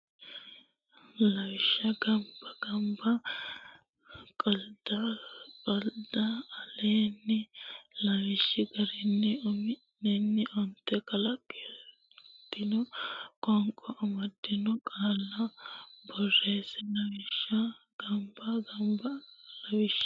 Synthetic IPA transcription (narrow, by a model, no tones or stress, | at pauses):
lɐwɪʃːɐɡɐmbɐɡ̥ɐmbɐ | kʼɐld̪̥ɐkʼɐld̪ɐːleːnːɪlɐwɪʃːɪɡɐɾɪnːɪɔmɪ | ɛnːɪʔɔnt̪ːɛkɐlɐkʼːɪ | d̪̥ɪnɔkʼɔŋkʼɔʔɐmɐd̪ːɪnɔkʼaːlːɐbɔrːeːsɛlɐwɪʃːɐ | ɡ̥ɐmbɐɡɐmbɐlɐwɪʃ